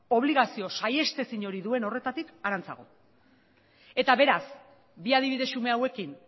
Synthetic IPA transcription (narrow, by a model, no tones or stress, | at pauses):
o̞β̞liɣasio̞saje̞st̪e̞siɲo̞ɾiðue̞no̞re̞t̪at̪ikaɾant͡sa̰ɣo̞̰ | e̞t̪aβe̞ɾas | biað̞iβiðe̞sume̞awe̞kin